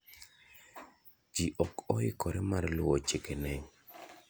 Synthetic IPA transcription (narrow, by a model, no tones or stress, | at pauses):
d͡ʒiʔɔkɔɪkɔɾɛmarlʊwɔt͡ʃekenɛɲ